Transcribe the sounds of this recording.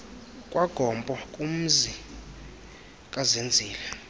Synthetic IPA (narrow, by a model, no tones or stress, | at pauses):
kʼwʔaɡ̥ʱɔmbʼɔkʼum̩zi | kʼazend͡zʱiːla